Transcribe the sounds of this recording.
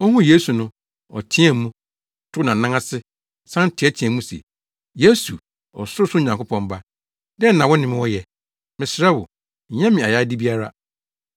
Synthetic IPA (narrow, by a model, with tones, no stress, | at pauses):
ɔ˦hũ˦je˦su˨nʊ̃˦ | ɔ̰˨tʰĩ˦ɛ˨mũ˦˨ | tʰʊ˦nã˨nã˦ŋa˦sɪ˦ | sã˦n̩˦tʰɪ˨˦ɛ˦tʰĩ˨ɛ̃˨mũ˦sḛ˨ | je˦su˨ | ɔ̰˨sʊ˦ɾʊ˦sʊ˦˨ɲã˨ŋ˨kʰʊ˦pʰɔ̃˨mba˦ | dɛ˦nã˨wɔ˦nɪ̃˨mɪ̃˦wɔ˦jɛ˨ | mɪ̃˨sɾɛ˦wʊ̰˨ | ɲ̩˨ɲɛ̃˦mɪ̃˨a˨ja˦di˦bi˦a˦ɾa˦